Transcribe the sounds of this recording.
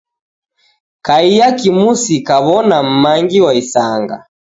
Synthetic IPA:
kaijakimusikaβɔnam̩maŋɡiwaisaŋɡa̰

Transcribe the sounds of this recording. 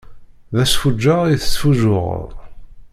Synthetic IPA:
ðæsfud͡ʒːaiθə̥sfuʒʊʁ̰ðˤ

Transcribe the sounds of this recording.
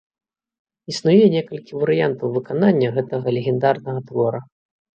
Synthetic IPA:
isnujɛnʲɛkɐlʲkʲivɐɾɨjant̪ɐwvɨkananʲːɐɣɛt̪ɐɣɐlʲeɣʲɛnd̪arnɐɣɐt̪vɔɾɐ

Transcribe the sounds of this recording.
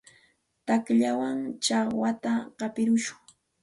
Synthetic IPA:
t̪akʎawaŋt͡ʃɑχwat̪aqɑpɪɾʊʃʊ̥ŋ

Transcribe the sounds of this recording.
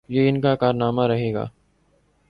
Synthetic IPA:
jeːɪnkakaːɾnaːmaɾəɦeːɡa̰ː

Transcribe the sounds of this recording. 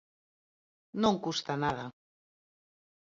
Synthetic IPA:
nõŋkust̪anaða

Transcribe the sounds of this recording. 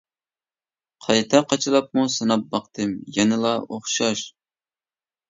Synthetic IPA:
qʰɑjt̪ʰɛqʰːɑt͡ʃʰɨlˠɑp̚musɨnɑp̚bɑqt̪ʰɨmjɛnɨlˠɑoχʃɑʃ

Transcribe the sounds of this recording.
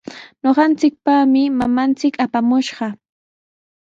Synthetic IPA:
ɲoɢɑnt͡sɪk̚pamɪmamant͡sɪkapamʊʃɢɑ

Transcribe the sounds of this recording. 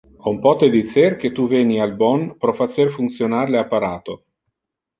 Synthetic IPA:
ɔumpɔt̪ed̪it̪serk̟et̪ːuvɛːnialbɔnpɾɔfat͡ʃerfunt̪sjonarleapːaɾaːt̪o

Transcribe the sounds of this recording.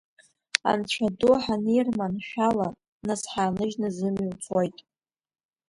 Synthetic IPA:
a̰nt͡ɕʷʰaduħanijrmanʃᶣala | nasħaːnɨʒnazɨmwt͡sʰojtʼ

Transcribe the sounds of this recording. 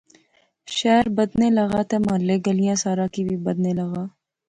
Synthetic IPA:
ʃɛːɾbɐd̪nelɐɣaːt̪ʰemaːleɡɐlijãːsaːɾakibʱibɐd̪nelɐɣaː

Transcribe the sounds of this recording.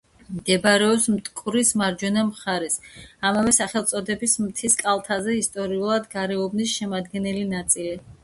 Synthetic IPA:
md̪ɛbɾɛɔpsmt̪ʼkʼuɾismaɾd͡ʒwɛnamχaɾɛsamavɛsaχɛlˠt̪sʼɔd̪ɛbismt̪ʰiskʼalˠt̪ʰazɛist̪ʼɔɾiulˠad̪ɡaɾɛɔbnisʃɛmad̪ɡɛnɛlinat̪sʼili

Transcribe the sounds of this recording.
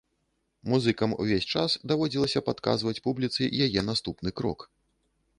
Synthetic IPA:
muzɨkɐmṵvʲesʲt͡ʂasd̪avɔd͡zʲilˠɐsʲɐpat̪ka̰zvɐt͡sʲpublʲit̪sɨ̰ʔjajɛnast̪upnɨkɾɔ̰k

